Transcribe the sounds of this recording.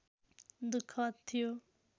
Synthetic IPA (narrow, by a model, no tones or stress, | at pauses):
d̪ukʰːʌt̪ʰːijo